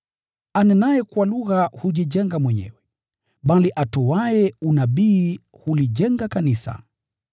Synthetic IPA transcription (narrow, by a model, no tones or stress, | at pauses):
anɛnajɛkwaluɣahuʄiʄɛŋɡamwɛɲɛ̰wɛ | ɓaliʔatɔwajɛunaɓiː | huliʄɛŋɡakanisa̰